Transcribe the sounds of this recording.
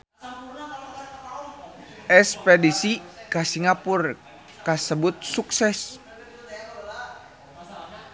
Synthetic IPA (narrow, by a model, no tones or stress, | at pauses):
ɛspedisikasiŋapur | kasəbʊt̪̚suksɛs